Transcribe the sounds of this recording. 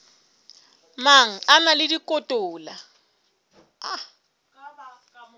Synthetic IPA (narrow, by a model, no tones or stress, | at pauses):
maŋ̩analɪdikʼɔtʼɔːla | a